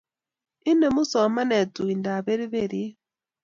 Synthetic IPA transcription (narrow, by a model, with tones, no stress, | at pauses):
i˦ne˨mu˦so˨ma˦ne˨tu˨i˨nda˨βe˦ɾi˦βe˦˨ɾi˦